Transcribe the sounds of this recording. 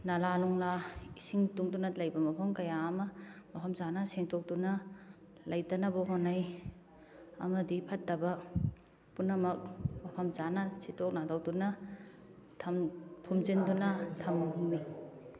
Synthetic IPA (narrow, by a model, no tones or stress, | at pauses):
nɐlaluŋlaisiŋtuŋdunɐlɐjbɐmɐpʰɐmkɐjaːmɐmɐpʰɐmzanɐseŋtʰok̚dunɐ | lɐjtɐnɐbɐɦonaj | ɐ̰mɐdipʰɐtːɐbɐ | punːɐmɐk̚mɐpʰɐmzanɐsitʰok̚nadawdunɐ | tʰɐmpʰumzindunɐtʰɐmɦumːi